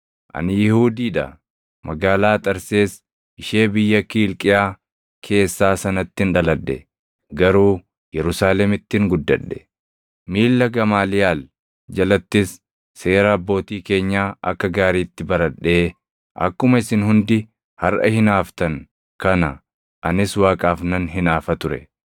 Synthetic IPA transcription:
ʔɐ̰nɪjɪhuːd̪iːᶑɐ̰ | mɐɡaːlaːt̪ʼɐɾse̞ːs | ʔɪʃe̞ːbɪjːɐkiːlkʼɪjaː | kʰe̞ːsːaːsɐnɐt̪ːɪnᶑɐlɐᶑːɛ̰ | ɡɐɾuː | jɛɾʊsaːlɛmɪt̪ːɪŋɡʊd̪ːɐ̰ᶑːɛ̥ | miːlːɐɡɐmaːlɪjaːl | d͡ʒɐlɐt̪ːɪsː | e̞ːɾɐːbːo̞ːt̪iːke̞ːɲːaːʔɐ̰kːɐɡaːɾiːt̪ːɪbɐɾɐᶑːe̞ː | ʔɐ̰kːʊmɐɪsɪnhʊnd̪ɪ | hɐɾʔɐ̰hɪnaːft̪ɐŋ | kɐnɐ | ʔɐnɪswaːkʼaːfnɐnɦɪnaːfɐt̪ʊɾɛ̰

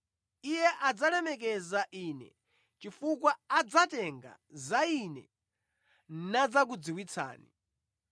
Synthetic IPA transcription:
ijɛʔad͡zalɛmɛk̬ɛzaʔiːnɛ̰ | t͡ʃifukwaːd͡zatɛŋɡa̰ | zainɛ̰ | nad͡zak̬ud͡ziwit͡sʰa̰ːnḭ

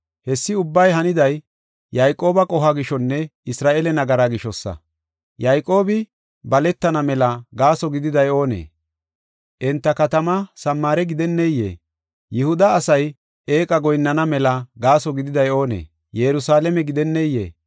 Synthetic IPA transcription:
hɛsːɪʊbːɐjɦɐnɪd̪ɐj | jɐjkʼːo̞ːbɐkʼɔɦɐɡɪʃɔnːɛɪsɾaːʔeːlɛnɐɡɐɾaɡɪʃɔsːɐ̰ | jɐjkʼːo̞ːbɪ | bɐlɛt̪ːɐnɐmɛlɐɡaːsɔɡɪd̪ɪd̪ɐjo̞ːnḛː | ʔɛnt̪ːɐkɐt̪ɐmɐsɐmːaːɾɛɡɪd̪ɛnːɛjːḛː | jɪhʊd̪ɐːsɐj | ʔeːkʼɐɡɔjnːɐnɐmɛlɐɡaːsɔɡɪd̪ɪd̪ɐjo̞ːnḛː | jɛɾʊsaːlɛmɛɡɪd̪ɛnːɛjːḛː

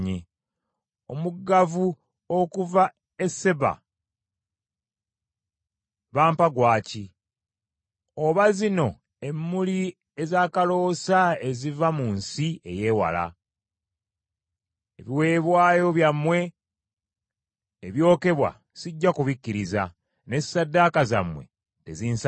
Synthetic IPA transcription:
ɲe | omuɡavu | okuva | e̞se̞βa̰ | βaːmpaɡwaːci | oβazino̞ | e̞mːuli | e̞zaːkalo̞ːsae̞zivamunsie̞̰je̞ːwa̰la̰ | eβiwe̞ːβwaːjo̞βjamːwe̞ | eβjo̞ːke̞βwa̰ | ziɟːakuβicːiɾiza | ne̞sadːaːkaza̰mwe̞̰ | teziːns

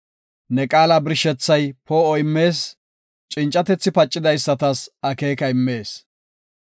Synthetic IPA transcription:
nɛkʼaːlabɪɾʃɛt͡sːɐjpoɔjmːe̞ːs | t͡ʃʼɪnt͡ʃʼːɐt̪ɛt͡sːɪpɐt͡ʃʼːɪd̪ɐjsːɐt̪ɐsɐke̞ːkɐɪmːe̞ːs

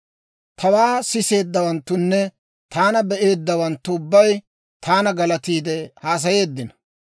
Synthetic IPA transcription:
t̪ʰɐwaːsɪse̞ːd̪ːɐwɐnt̪ːʊnːɛ | t̪ʰaːnɐbɛʔe̞ːd̪ːɐwɐnt̪ːʊʊbːɐj | t̪ʰaːnɐɡɐlɐt̪iːd̪ɛhaːs̬ɐje̞ːd̪ːɪnɐ

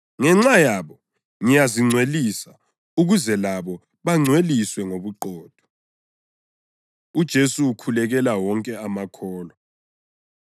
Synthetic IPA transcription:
ŋɛŋ͡ǁajaβɔ | ŋijaziŋ͡ǀʱwelisa | uɣuzɛlaβɔ | βaŋ͡ǀʱweliswɛŋoβuǃɔːd̥ʱɔ̥ | ud̥ʒ̥ʱesuːkʰulɛɣɛlawɔŋkʼɛamakʰɔːlɔ

